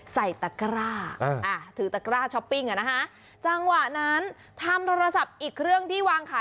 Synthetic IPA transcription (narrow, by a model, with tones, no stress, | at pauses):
sa˨˩jt̪a˨˩kɾaː˥˩˧ʔa˧˩t̪ʰɯː˩˦t̪a˨˩kɾaː˥˩t͡ɕʰɔ˦˥pːi˥˩ŋʔa˨˩na˦˥kʰa˦˥ | t͡ɕa˧ŋwa˨˩ʔna˦˥n | t̪ʰa˧mt̪ʰoː˧ɾa˧sa˨˩p̚ʔiː˨˩k̚ɾɯ˥˩əŋt̪ʰiː˥˩waː˧ŋkʰaː˨˦